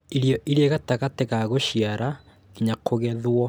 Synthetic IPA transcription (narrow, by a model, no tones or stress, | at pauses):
iɾjɔʔiɾeɣataɣateɣaɣoʃiaɾa | iɲakʰoɣɛðwɔ